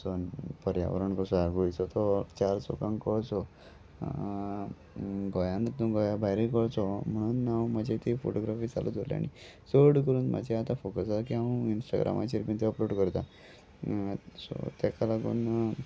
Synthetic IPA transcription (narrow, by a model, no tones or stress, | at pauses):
sonpəɾja̰ʋɾəɳkɔsaɾɡojt͡sɔt̪ɔt͡ɕaɾt͡so̰kãŋkɔɭt͡sɔ | ɡɔjãnt̪ũɡɔjabʱajɾikɔɭt͡sɔm̤əɽ̃uːnːawmad͡ʑet̪ifo̰ʈoɡɾafiːt͡saluːt̪olj̰a̰ni | soɾɽkəɾuːnmʔa̰d͡ʑeat̪afokəsakiaũinsʈa̰ɡɾʔa̰ma̰t͡ɕeɾpĩnt̪eəploɽkəɾt̪a | sɔ̰t̪jakalaɡṵːn